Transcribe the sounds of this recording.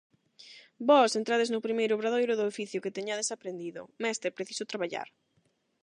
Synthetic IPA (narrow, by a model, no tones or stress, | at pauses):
bɔsent̪ɾaðeznʊpɾimejɾʊβɾaðojɾʊðʊofiθjʊket̪eɲaðeɪsapɾend̪iðʊ̰mɛst̪epɾeθi̥sʊt̪ɾaβaʎa̰ɾ